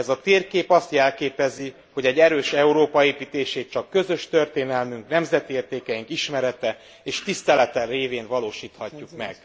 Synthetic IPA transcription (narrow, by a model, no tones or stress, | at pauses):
ɛzɒt̪eːrkeːpɒst̪jɛlkeːpɛzi | ho̞ɟɛɟːɛɾøːʃɛuɾoːpɒeːpiːt̪eːʃeːt̪̚t͡ʃɒkːø̞zø̞ʃt̪ørt̪eːnɛlmyŋknɛmzɛt̪ieːrt̪eːkɛjiŋkiʃmɛɾɛt̪ɛ | eːʃt̪ist̪ɛlɛt̪ɛreːveːnvɒloːʃiːt̪hɒcːukmɛ̰ɡ̥̚